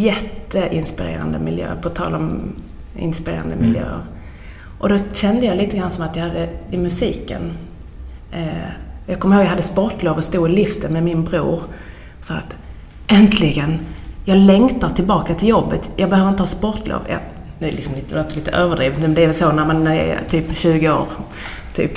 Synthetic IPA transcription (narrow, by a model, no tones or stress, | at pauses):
jɛt̪ːəʔɪnspɪɾḛːɾa̰nd̪ə̰mɪljø̰ːɾpʰɔt̪ʰɑ̰ːlɔm | ɪ̰nspɪɾḛːɾa̰nd̪əmɪljø̰ːəɾ | ʔɔd̪ɔɕɛnd̪əjɑliːt̪əɡɾansɔmat̪jɑhad̪ːəɪmɵsiːkə̰n | jɑɡkʰɔmːhoːɡjajhad̪ːəspɔʈloːvɔst̪uːɪlʏft̪ənmɛmɪnbɾuːɾ | sɑːa̰t̪ | ʔɛnt̪ʰlɪɡənjɑːɡlɛŋt̪aʈ̪ʰɪlbɑːkat̪ʰɪljɔbːət̪jɑːɡbɛhøːəɾɪnt̪əhɑːspɔʈlo̰ːvjɑ̰ | nʉɛlɪksɔmliːt̪əloːt̪əliːt̪ə̰ʔøːvəɖɾiːvət̪mɛnd̪ɛvɛlsonæɾmanɛ̰t̪ʰyːpɕʉ̟ːɡəo̰ːɾ | t̪ʰy̰ːp